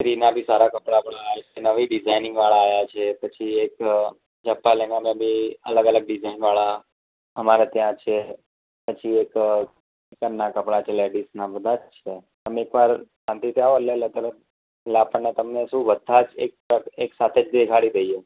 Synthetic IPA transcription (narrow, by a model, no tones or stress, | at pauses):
t̪ɾinabʱisaɾakəpɽapəɭaːt͡ʃʰenəʋiɖɪd͡ʒajnɪ̃ŋɡʋaɭaːjat͡ʃʰepət͡ʃʰiek | d͡ʒəpːalenamẽbʱiə̰ləɡələɡ̚ɖɪd͡ʒainʋaɭa | əmaɾat̪jãt͡ʃʰe | pət͡ʃʰiek | ekənːakəpɽat͡ʃʰeleɖisnabəd̪ʱat͡ʃt͡ʃʰe | əmekʋaɾsãnt̪it̪jãʋəɾleələɡələɡ̚ | lapəɳnet̪əmnesũʋəd̪ʱːat͡ʃḛk̚pəeksat̪ʰed͡ʒd̪ekʰaɽid̪ejje